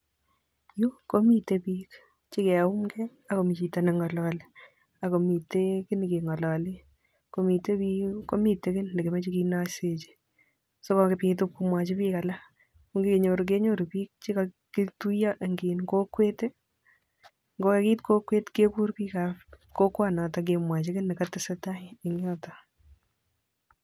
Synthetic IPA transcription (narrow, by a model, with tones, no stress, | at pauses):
ju˦ko˦mi˦tepi˦k | t͡ʃi˦kɛ˨ʊ˦mkɛ | ako˨mi˨t͡ʃi˨ta˨nɛ˨ŋɔ˨lɔːle | a˨ko˨mi˨tekɪ˦n˨ke˨ŋɔ˨lɔ˨le˦ | ko˦mi˨te˦pi˦kːo˦mi˨te˦kɪ˦nle˨ke˨mɛ˦t͡ʃi˦kinaset͡ʃe̥˨ | so˦kɔ˨kepit̬up̚ku˧mwa˨t͡ʃɪ˦piːka˨la˦ | kʊ˦ŋɡike˨ɲo˨ɾu˨k̬e˦ɲo˦ɾu˨piːk̚t͡ʃe˦ka | kɪ˦tu˦ja˦ʔŋɡiː˨nko˦kwe˦te˦ | ŋɡo˦ke˦ki˦tko˦kwe˦tke˦ku˦ɾki˦kako˦kwana˨ta˨k̬emwa˨t͡ʃe˦kɪ˦nɪ˨katɪsɛ˦ta˦ɪɪŋjɔ˦tɔ